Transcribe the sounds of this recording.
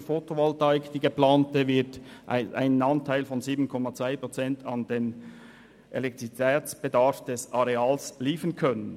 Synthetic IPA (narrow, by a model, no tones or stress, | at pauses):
fotʰovaltaɪkd̥iːɡeplaːntəvɪɐtʔa̰ɪnənɑntʰaɪlfɔnziːbn̩kʰɔmat͡sv̥aɪpʁ̥ot͡sɛntʰɑndeːn | ʔḛlɛk̚t̪itʰɛːt͡sb̥edɑɾfd̥ɛsɑɾeɑːlsliːfənkʰœnən